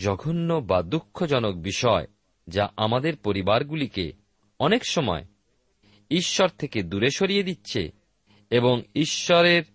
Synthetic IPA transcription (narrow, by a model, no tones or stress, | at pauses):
d͡ʑɔɡʱonːobad̪ukʰːod͡ʑɔnok̚biʃɔe | d͡ʑaʔamad̪eɾpoɾibaɾɡulikḛ | ɔnekʃɔmɔ̰e | iʃːɔɾt̪ʰeked̪uɾeʃoɾijed̪itːɕʰḛ | eboŋiʃːɔɾeɾ